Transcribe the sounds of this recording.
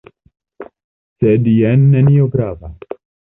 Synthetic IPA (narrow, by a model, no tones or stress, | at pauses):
sed̪ijɛnːenioɡɾava̰